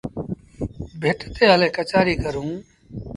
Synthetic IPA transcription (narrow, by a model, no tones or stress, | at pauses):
bʱeʈt̪eːəleːkət͡ʃaːɾiːkəɾũː